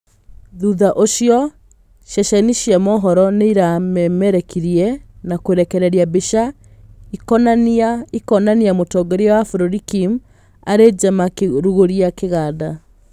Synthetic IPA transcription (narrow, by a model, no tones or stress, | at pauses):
ðuðaʔoɕiɔ | ʃɛʃɛniʃiɛmɔːɦɔɾɔneiɾamɛmɛɾɛkiɾiɛnakweɾɛkɛɾɛɾiabeʃa | ikɔnanaikɔnaniamotɔɡɛɾiɔwafuɾoɾikim | aɾed͡ʒamakeɾuɣoɾiakeɣaːda